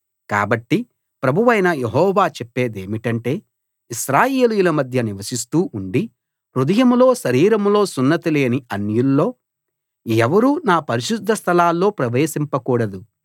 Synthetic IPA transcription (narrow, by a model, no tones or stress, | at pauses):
ka̰ːbɐʈːi | pɾɐbʱuʋɐjnɐjeɦɔːʋaːt͡ʃepːe̞ːd̪eːmiʈɐɳʈe̞ː | iʃɾaːje̞ːlujulɐmɐd̪ʱjɐniʋɐsist̪uːʔuɳɖi | ɾud̪ɐjɐmlo̞ːʃɐɾiːɾɐmlo̞ːsunːɐt̪ileːniɐnjulːo̞ː | ɛʋɐɾunaːpɐɾiʃud̪ʱːɐst̪ʰɐlaːlːo̞ːpɾɐʋeːʃimpɐkuːɽɐd̪u